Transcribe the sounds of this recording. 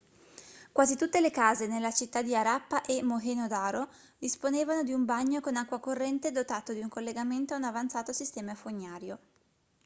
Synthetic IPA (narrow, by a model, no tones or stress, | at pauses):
kwaːzit̪ut̪ːelekaːzenelːat͡ʃit̪ːad̪iaɾapːaʔemoɦenod̪aːɾo | d̪isponeːvanod̪iumbaɲːokonakːwakorːɛnt̪ed̪ot̪aːt̪od̪iuŋkolːeɡament̪oaunavant̪saːt̪osist̪ɛːmafoɲːaːɾjo